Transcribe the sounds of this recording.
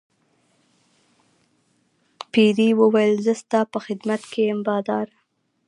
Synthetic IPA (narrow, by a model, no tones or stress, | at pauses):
piɾiwəwajəlzəst̪ɑpəxɪd̪mat̪kejɪmbɑd̪ɑɾ